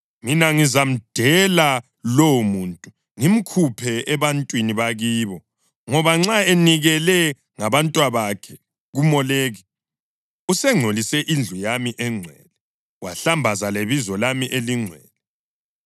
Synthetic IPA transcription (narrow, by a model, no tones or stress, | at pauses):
minaŋizam̩d̥ʱɛla | lowumuntʼu | ŋim̩kʰupʰɛɛβantʼwiniβaɣiːβɔ | ŋɔβaŋ͡ǁaeniɣɛlɛ | ŋaβantʼwaβakʰɛ | ɣumɔleːɣi | usɛŋ͡ǀʱolisɛʔind͡ɮʱujamiʔɛŋ͡ǀʱwɛːlɛ | waɬambʱazaleβizɔlamiʔeliŋ͡ǀʱwɛːlɛ